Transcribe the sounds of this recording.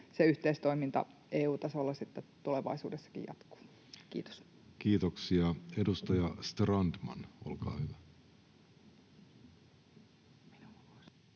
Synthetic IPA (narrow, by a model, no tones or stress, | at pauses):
seyht̪eist̪oimint̪ɑ̰ʔeːuːt̪ɑsolːɑsit̪ːet̪uleʋɑ̰isṵːdesːɑ̥kḭjjɑ̰t̪ku̥ː | kḭːt̪o̥s | kiːt̪oksiɑedust̪ɑjɑst̪rɑndmɑ̰nolkɑ̰ːhyʋæ | minuos